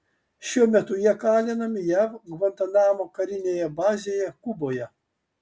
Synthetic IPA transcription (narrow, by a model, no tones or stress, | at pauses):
ʃʲuɔmʲɛt̪ʊjiɛkɑːlʲɪnɐmʲɪjæʋɡʋɐnt̪ɐnɑːmoːkɐɾʲɪnʲeːjɛbɑːzʲejɛkʊboːjɛ